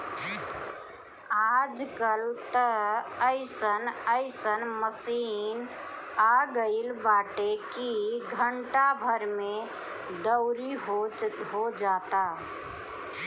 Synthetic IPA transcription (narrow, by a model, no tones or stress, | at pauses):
ad͡ʒkəlt̪əəɪsənəɪsənməsin | aɡəɪlbaʈekiɡʱəɳʈabʱəɾme | d̪əʊɾiɦoɦod͡ʒat̪a